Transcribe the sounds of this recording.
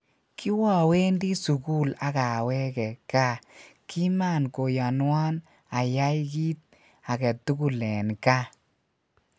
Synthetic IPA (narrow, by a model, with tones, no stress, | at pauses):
ki˦wɔ˨we˦ndi˦su˨ku˦la˨ka˨wɛ˦kɛ˨ka˦ki˦ma˦˨nko˨ja˨nwa˦n | a˨ja˦jkiː˦t̚ | a˨kɛ˨tu˦ku˨lɛ˨nka˦